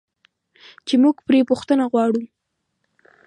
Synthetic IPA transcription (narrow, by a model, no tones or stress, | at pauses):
t͡ʃemuɡpɾepʊxt̪ənaɣwɑɽu